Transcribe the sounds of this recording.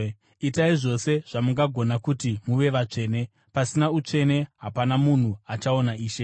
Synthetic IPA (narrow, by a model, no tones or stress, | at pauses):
itaiʐo̞se̞ʐ̥amuŋɡaɡʱo̞nakutimuʋe̞ʋat͡ʂe̞ːne̞ | pasinaut͡ʂe̞ne̞ɦapanamun̤uat͡ʃao̞naiːʃe̞